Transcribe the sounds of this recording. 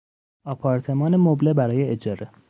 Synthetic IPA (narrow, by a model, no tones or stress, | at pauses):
ɒːpʰɒːɾt̪ʰe̞mɒːnemoblebæɾɒːjeːd͡ʒɒːɾe